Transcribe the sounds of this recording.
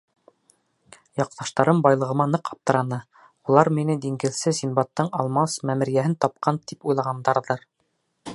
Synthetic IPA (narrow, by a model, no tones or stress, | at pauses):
jɑq̚t̪ɑʃt̪ɑɾɤmbɑjlˠɤ̆ʁɤ̆mɑnɤqɑp̚t̪ɤ̆ɾɑnɤ | ulˠɑɾminɘd̪iŋɡɘ̆lsɘzinbɑt̪ːɤɴɑlˠmɑsmæmɘ̆ɾjæɦɘnt̪ɑp̚qʰɑnt̪ipujlˠɑʁɑnd̪ɑɾðɤɾ